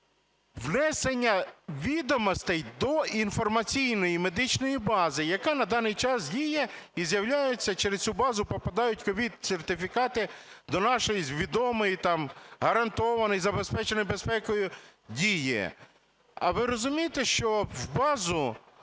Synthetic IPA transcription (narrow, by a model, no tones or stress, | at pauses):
wnɛsenʲːɐʋʲid̪ɔmɔst̪ɛjd̪ɔinfɔrmɐt͡sʲijnɔjime̞d̪ɪt͡ʃnɔjibɑzɪjɐkɑnɐd̪ɑnɪjt͡ʃɑsdʲijɛizʲjɐwlʲajet͡sʲːɐt͡ʃeɾest̪ʲt͡sʲubɑzʊpɔpɐd̪ɑjʊtʲkɔʋʲid̪sʲert̪ɪfʲikɑt̪ɪ | d̪ɔnɑʃɔjizʲʋʲid̪ɔmɔjit̪ɑmɦɐɾɐnt̪ɔʋɐnɪjzɐbespɛt͡ʃenɔjbespɛkɔjʊdʲijɪ̰ | ɐ̰ʋɪɾɔzʊmʲijet̪eʃt͡ʃɔwbɑzʊ